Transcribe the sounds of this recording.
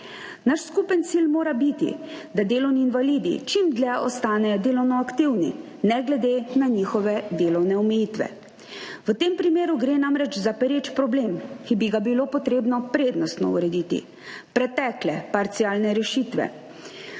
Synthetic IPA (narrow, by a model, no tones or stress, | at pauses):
naʃskupənt̪siːlmoːɾabit̪ḭd̪ad̪eːlɔwniːnʋaliːd̪ḭt͡ʃimd̪lɛɔ̰st̪aːnɛjɔd̪eːlɔwnɔakt̪iwni | nɛɡlɛd̪eːnaɲixɔʋɛd̪eːlɔwnɛɔmɛjiːt̪ʋɛ̰ | ʋət̪eːmpɾimeːɾuɡɾeːnamɾɛt͡ʃzapɛɾet͡ʃpɾɔbleːmkibiɡabilopɔt̪ɾeːbnɔpɾeːd̪nɔst̪nɔ̰ṵɾɛd̪iːt̪ḭ | pɾɛt̪ɛklɛpaɾt̪sijaːlnɛɾɛʃiːt̪ʋɛ̰